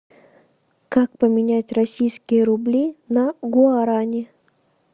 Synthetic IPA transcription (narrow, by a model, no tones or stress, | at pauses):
kak̚pəmʲɪnʲætʲrɐsʲijskʲɪjəɾʊblʲinɐɡʊaɾanʲɪ